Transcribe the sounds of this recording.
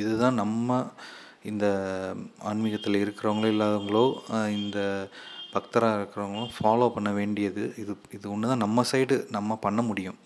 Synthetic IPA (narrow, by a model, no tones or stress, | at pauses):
ɪðɯt̪ãːnɐmːɐ | ɪnd̪ɐ | ɐnmɪɣɐt̪ːɪlɪɾɯkːɪɾɐʋɐŋɡɐɭɪlːaːðɐŋɡɐɭoːɪnd̪ɐbɐkt̪ɐɾaːɪɾɯkːɪɾɐʋɐŋɡɐɭõːfaːloːpɐɳːɐʋeːɳɖɪjɐðɯɪðɯ | ɪðɯʊɳːɯt̪ãːnɐmːɐsɐɪɽɯnɐmːɐpɐɳːɐmʊɽɪjʊ̃